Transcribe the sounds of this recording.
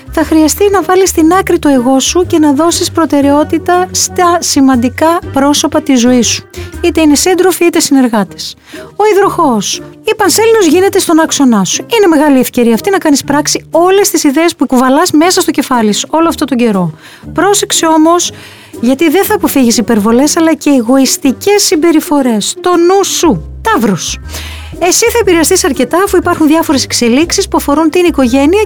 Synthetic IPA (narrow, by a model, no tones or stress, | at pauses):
θɐxɾiɐst̪inɐvɐlist̪inɐkɾit̪oeɣo̞suce̞nɐðo̞sispɾo̞t̪e̞ɾe̞o̞t̪it̪ɐst̪ɐsimɐnd̪ikɐpɾo̞so̞pɐt̪izo̞isu̥it̪e̞inesind̪ɾo̞fiit̪e̞sine̞ɾɣɐt̪es | o̞iðɾoxo̞sipɐnselino̞zʝine̞t̪e̞st̪o̞nɐkso̞nɐsuine̞me̞ɣɐlie̞fce̞ɾiɐft̪inɐkɐnispɾɐksio̞le̞st̪isiðe̞ːspuekuvɐlɐsme̞sɐst̪ocefɐliso̞loɐft̪o̞t̪o̞ɲɟe̞ɾo̞ | pɾo̞se̞ksio̞mo̞s | ʝɐt̪iðenθɐːpo̞fiʝisipe̞ɾvo̞le̞sɐlɐce̞ːɣo̞ist̪ice̞sːimbe̞ɾifo̞ɾe̞st̪o̞nusut̪ɐvɾus | e̞siθɐepiɾeɐst̪isɐɾce̞t̪ɐːfuipɐɾxunðʝɐfo̞ɾe̞se̞kse̞liksispuɐfo̞ɾunt̪iniko̞ʝe̞niɐ